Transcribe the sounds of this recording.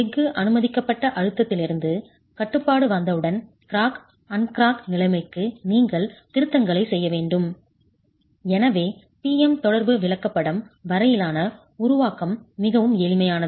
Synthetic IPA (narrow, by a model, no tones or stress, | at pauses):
ɛɡɯʔɐnɯmɐðɪkːɐpːɐʈːɐʔɐɻɯt̪ːɐt̪ːɪlɪɾɯnd̪ɯ | kɐʈːɯpːaːɽɯʋɐnd̪ɐɯɽɐn | kɪɾaːk | ɐnkɪɾaːknɪlɐɪmɐɪkːɯniːŋɡɐɭt̪ɪɾɯt̪ːɐŋɡɐɭɐɪsɛjːɐʋeːɳɖɯm | ɛnɐʋeː | piːɛmt̪ɔɽɐɾbɯʋɪɭɐkːɐpːɐɽɐmʋɐɾɐjɪlaːnɐ | ʊɾʊʋaːkɐmːɪɣɐʋɯmeːlɪmɐjaːnɐ